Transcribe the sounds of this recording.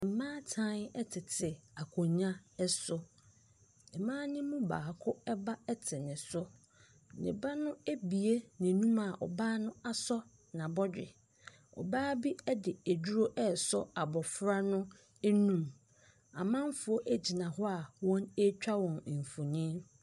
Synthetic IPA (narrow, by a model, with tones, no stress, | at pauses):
m̩˨mã˦tʰã˦nɛ˦tʰɪ˨tʰɪ˨a˨kʰɔ˨ɲã˦ɛ˦sʊ˦ | ɪ˨mãː˦nɪ̃˦mũ˦baː˨kʰʊ˦ɛ˦ba˦ɛ˦tʰɪ˨nɪ̃˨sʊ˦ | nɪ̰̃˨ba˦nʊ̃˦e˦bi˨e˦nɪ̃˨nũ˦ma˨ʔɔ̰˨baː˦nʊ̃˦a˦sɔ˦ | nã˨bɔ˦d͡ʑᶣɪ̰˨ | ɔ̰˨baː˦bi˦ɛ˦dɪ˨æ˨d͡ʑu˦ɾo˦ʔɛ˦˨sɔ˦a˨bɔ˨fɾa˦nʊ̃˦ | nũ˦m | a˨mã˦m˦fʊ˨o˦ʔæ˦d͡ʑi˨nã˨ɦɔ˦a˨wɔ̃˦ne˦t͡ɕᶣa˦wɔ̃˨n̩˨fu˨nĩ˦n